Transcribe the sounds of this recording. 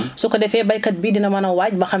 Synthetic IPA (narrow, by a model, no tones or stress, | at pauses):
sukɐdɛfɛbɐjkɐt̚biːdinɐmɐnɐwaːɟ̚bɐxɐm